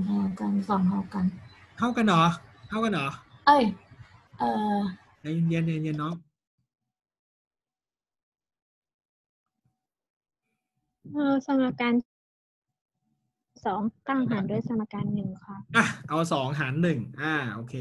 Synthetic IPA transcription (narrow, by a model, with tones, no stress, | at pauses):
aː˧˩˨ka˧nsɔː˨˦ŋɦa˥˩wka˧nt̪ʰa˥˩wka˧nːɔː˨˩˦t̪ʰa˥˩wka˧nʔɔː˨˩˦ʔaː˧˩jʔɤː˧ | a˧jnje˧nje˧nje˧nːɔ˦˥ | ʔɤː˧˩sa˨˧˩mʔaː˧kaː˧n | sɔː˩˦ŋt̪aː˥˩ŋɦaː˩˦ndu˥˩əjsa˧nʔaː˧˩kaː˧nːɯ˨˩ŋkʰa˧˦˥ʔʔa˧˩ʔa˧wsɔː˩˦ŋɦaː˩˦nːɯ˨˩ŋʔaː˧˩ʔoː˧kʰeː˧